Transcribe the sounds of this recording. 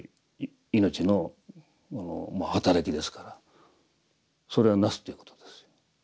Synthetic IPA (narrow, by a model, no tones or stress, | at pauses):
ino̞t͡ɕino̞ | ono̰mahat̪aɾakʲid̪e̞sɨ̥kaɾa | so̞ɾe̞anasɨ̥t̪ːeiɯ̟kot̪od̪̥esɨ̥jo̥